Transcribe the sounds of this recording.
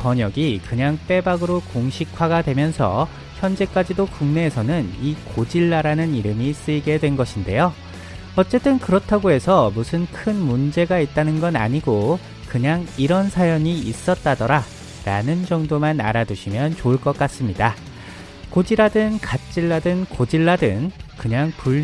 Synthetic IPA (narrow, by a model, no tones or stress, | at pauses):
pʌɲʌɡikɯɲaŋp͈e̞baɡɯɾokoŋɕʰikʰwaɡadwe̞mjʌnsʰʌ̰ | çjʌnd͡ʑe̞k͈ad͡ʑidokuŋne̞ːsʰʌnɯnikod͡ʑiɭːaɾanɯniɾɯmis͈ɯiɡe̞dwe̞nɡʌɕʰinde̞̰jo | ʌt͡ɕ͈e̞t͈ɯnkɯɾʌtʰaɡoe̞sʰʌmusʰɯnkʰɯnmund͡ʑe̞ɡait̚t͈anɯnɡʌna̰ɲiɡo | kɯɲaŋiɾʌnsʰajʌɲiis͈ʌt̚t͈adʌɾa | ɾanɯnd͡ʑʌŋdomana̰ɾaduɕʰimjʌnt͡ɕoɯɭk͈ʌk͈as͈ɯmɲida | kod͡ʑiɾadɯnkat͡ɕ͈iɭːadɯnkod͡ʑiɭːadɯŋkɯɲaŋpuʎː